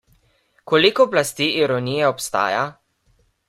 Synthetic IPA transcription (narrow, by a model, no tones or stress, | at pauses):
kɔlikɔplast̪iːʔiɾɔnijɛɔpst̪a̰ːja